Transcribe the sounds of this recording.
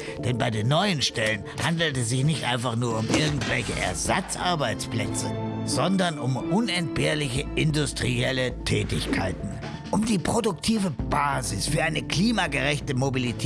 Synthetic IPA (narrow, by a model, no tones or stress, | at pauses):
d̥ɛnbaɪdeːnːɔʏənʃtɛlən | handl̩tɛsz̥ɪçnɪçtʔa̰ɪnfaχnuːɐʊmʔɪɐɡŋ̩tv̥ɛlçəʔɛ̰ɐza̰t͡sʔa̰ɐbaɪt͡splɛ̰t͡səz̥ɔndɐnʊmʔʊnɛnt̚b̥eːɐlɪçəɪndʊstʁ̥iɛlətʰɛːtɪçkʰa̰ɪtn̩ | ʔʊmdiːpʁ̥odʊktʰiːvəb̥aːzɪsfyːɐʔaɪnəkl̥iːmaɡəʁɛçtəmobilitʰɛ